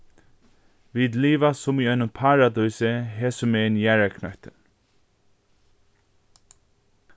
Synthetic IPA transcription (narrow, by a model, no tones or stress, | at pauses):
viːd̪liːvasʊmiœnʊmpʰaːɹad̪ɔjsəɦɛːsʊmeːɪnjæːɹakʰnœht̪ə